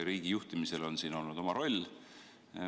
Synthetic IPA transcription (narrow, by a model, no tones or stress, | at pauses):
ɾiːɡ̥ijuht̪imise̞lo̞nsiːno̞lnud̪o̞mɑɾo̞lʲ